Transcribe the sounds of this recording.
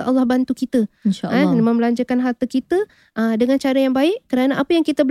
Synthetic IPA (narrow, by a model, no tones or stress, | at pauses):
ʔa̰lːahbant̪ukit̪ənʃanmə̃mlaɲd͡ʒəkanɦart̪əkit̪ə | ʔədəŋant͡ʃaɾajaŋbaɪʔkəɾanaʔapəjaŋkit̪əbə